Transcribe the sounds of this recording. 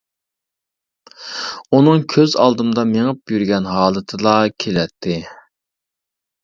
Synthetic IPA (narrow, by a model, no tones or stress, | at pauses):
unɨŋkʲʰøzɑ̰lˠd̪ɨmd̪ɑmeŋəp̚jyɾɡʲɛnɦɑːlˠɨt̪ʰɨlˠɑkʲʰelɛt̪ʰːɪ